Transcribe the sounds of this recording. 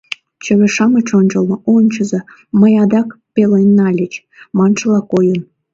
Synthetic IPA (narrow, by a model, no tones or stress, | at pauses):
t͡ɕə̆βʲĕʃɑmɤt͡ɕonʲd͡ʑŏlɤonʲt͡ɕə̆zɤ̆ | məjɑd̪ɑkpʲelenːɑlʲet͡ɕ | mɑnʃɤ̆lˠɑkojən